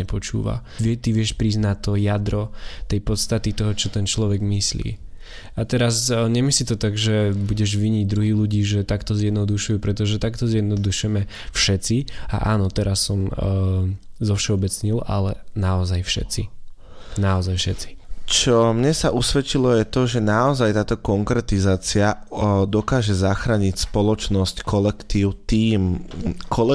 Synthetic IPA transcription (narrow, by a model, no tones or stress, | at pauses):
ɛpɔt͡ʃṵːʋa̰ʋɛt̪iʋɪɛʃpɾiznat̪ːɔjad̪ɾɔt̪ɛjpɔt̪st̪at̪it̪ɔɦɔt͡ʃɔt̪ɛnt͡ʃlɔʋɛɡmislḭː | at̪ɛɾazɲɛmislit̪ɔt̪aɡʒɛbuɟɛʒʋiɲiɟd̪ɾuɦiːluɟiːʒɛt̪akt̪ɔzjɛd̪nɔd̪uʃujuːpɾɛt̪ɔʒɛt̪akt̪ɔzjɛd̪nɔd̪uʃʊjɛmɛ | fʃɛt̪t͡sia̰ʔaːnɔt̪ɛɾasːɔm | zɔfʃɛɔbɛt͡sɲilʔa̰lɛnaɔzajfʃɛ̰t͡si | naɔzajfʃɛt͡si̥t͡ʃɔmɲɛsaʔusʋɛt͡ʃilɔjɛt̪ɔʒɛnaɔzajt̪aːt̪ɔkɔŋkɾɛt̪izaːt͡siad̪ɔkaːʒɛzaxɾaːɲicspɔlɔt͡ʃnɔsckʰɔlɛkt̪iːʊt̪iːmkʰɔlɛ